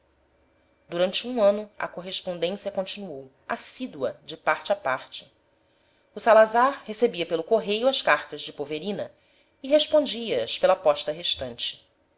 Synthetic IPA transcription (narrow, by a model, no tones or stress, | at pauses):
d̪uɾɐ̃nt͡ʃɪũɐ̃nʊɐ̰koɦeʃpõnd̪ẽsjɐkõnt͡ʃinuow | a̰sid̪uɐd͡ʒɪpaɾt͡ʃɪapaɾt͡ʃɪ̥ | usalazaɾhesebiɐpelʊkoɦejʊɐʃkaɾt̪ɐzd͡ʒɪpoveɾĩnɐ | iɦeʃpõnd͡ʒiɐɐʃpelɐpɔʃt̪ɐɦeʃt̪ɐ̃nt͡ʃɪ̥